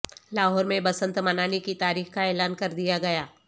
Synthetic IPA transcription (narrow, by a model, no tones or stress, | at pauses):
laːɦɔːɾmẽbɐsə̃nt̪mɐnaːnikit̪aːɾiːxkaɛːlaːnkɐɾd̪ijaɡɐjaː